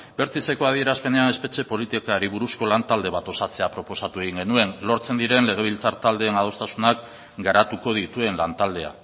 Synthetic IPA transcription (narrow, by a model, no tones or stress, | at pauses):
be̞ɾt̪ise̞ko̞aðie̞ɾaspe̞ne̞ane̞spe̞t͡ʃe̞po̞lit̪ikaɾiβuɾusko̞lant̪ald̪e̞βat̪o̞sat͡se̞apɾo̞po̞sat̪ue̞ɣ̞iŋɡe̞nue̞nlo̞ɾt͡se̞nd̪iɾe̞nle̞ɣ̞e̞β̞ilt͡saɾt̪ald̪e̞ːnað̞o̞st̪asunak | ɡaɾat̪uko̞ð̞it̪ue̞nlant̪ald̪e̞a̰